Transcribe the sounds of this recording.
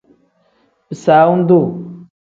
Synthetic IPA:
bi˨sa˨˦u˦n˦du˦˨

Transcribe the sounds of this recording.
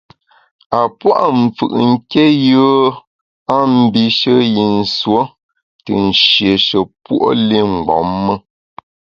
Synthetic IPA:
a˨pwa̰˦ʔm̩˨fɯ̰˨ʔŋ̩˦ke˦jə˦ | a˦m̩˦bi˨ʃə˦ji˨n̩˨swo˦ | tə˨n̩˨ʃje˨ʃə˨pwʔo̰˦li˦˨ŋ̩˨ɡ͡bɔ̰˨˦mːə˦

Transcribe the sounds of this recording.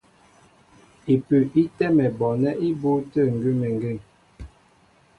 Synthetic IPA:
i˨pʉ˨ʔi˦tɛ˦mɛ˨bɔ˨nɛ˦ʔi˦bu˦tə˦˨ŋ̩˨ɡʉ˦mɛ˨ŋ˨ɡe˦˨ŋ

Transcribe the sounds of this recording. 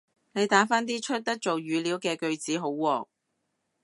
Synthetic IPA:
ne˨˧jt̪aː˨˥faː˥nt̪iː˥t͡ʃʰɵ˥t̚t̪ɐ˥t̚t͡so˨wjyː˨˧liː˨˥wkɛː˧kɵ˧ɥt͡siː˨˥ɦo˨˥wːɔː˨˩

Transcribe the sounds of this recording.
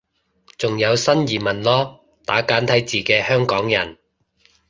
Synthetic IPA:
t͡sʊ˨ŋjɐ˨˧wsɐ˥njiː˨˩mɐ˨nlɔː˥ | t̪aː˨˥kaː˨˥nt̪ʰɐ˨˥jt͡siː˨kɛː˧hœː˥ŋkɔː˨˥ŋjɐ̰˨˩n

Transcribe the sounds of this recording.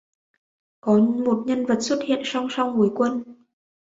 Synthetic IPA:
kɔ˨˦mo˨˩t̚ɲə˧nvə˨˩t̚swə˦˥t̚hḭ˧˨ənsa˧wŋ͡msa˧wŋ͡mvu˨˩jkwə˧n

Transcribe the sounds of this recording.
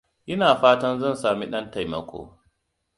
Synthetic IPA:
ʔɪ˦naː˨ɸaː˦tɐ˦nzɐ˦˨nsaː˨mi˦ɗɐ˦nta˨jmɐ˦kʷʰo̰ː˨

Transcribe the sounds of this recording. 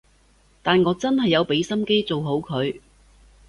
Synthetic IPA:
t̪aː˨nŋɔː˨˧t͡sɐ˥nɦɐ˨jːɐ˨˧wpe˨˧˥jsɐ˥mke˥jt͡so˨wɦo˨˥wkʰɵ˨˧ɥ

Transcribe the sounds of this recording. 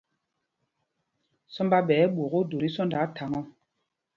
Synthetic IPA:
sɔ˦mba˦ɓɛː˨˦ɓo˨ɣo˦do˨ɾi˦sɔ˦nda˨˦tʰa˨ŋɔ˦

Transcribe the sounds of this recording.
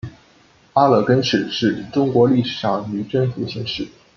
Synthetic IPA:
a˥lɤ˨˩kə˥nʂɻ̩˨˩ʂɻ̩˥˩ʈ͡ʂʊ˥ŋkwɔ˧˥li˥˩ʂɻ̩˨˩ʂɑ˥˩ŋy˧˥ʈ͡ʂə˥nfu˨˧˥ɕi˧˥ŋʂɻ̩˥˩

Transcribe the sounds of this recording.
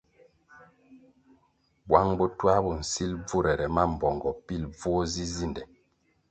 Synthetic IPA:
bwa˦ŋbɔ˦twa˦bɔ˨n̩˨si˦lb͡vu˦ɾɛ˨ɾɛ˨ma˦m̩˨bɔ˨ŋɡɔ˨pi˦lb͡vɔ˦zi˦zi˦ndɛ˨

